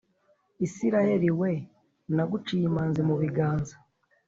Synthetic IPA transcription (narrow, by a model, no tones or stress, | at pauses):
isiɾaje̞ɾiwe̞ | naɡut͡ʃijimaːnzimuβiɡaːnza